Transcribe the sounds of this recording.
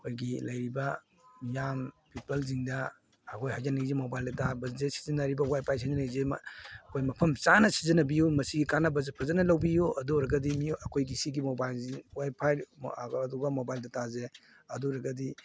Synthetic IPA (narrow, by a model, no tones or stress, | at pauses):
ɐkʰojɡilɐjɾibɐ | jampʰipɐlziŋdɐ | ɐkʰojhajzɐnɐizemobajldɐtabɐzesi̥zɐnːɐɾibɐwajpʰajs̬izɐnɐzemkʰojmɐpʰɐmt͡ʃanɐsizɐnɐbijumɐsiɡikanɐbɐzepʰɐzɐnɐlɐwbijuɐduɾɐɡɐdimijɐkʰojɡisiɡimobajlziwajpʰajduɡɐmobajldɐtaze | ɐduɾɐɡɐdi